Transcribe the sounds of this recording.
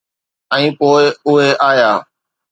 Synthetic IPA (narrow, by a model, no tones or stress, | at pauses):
ɛ̃ːpoːɪʊɦeʔaːjaː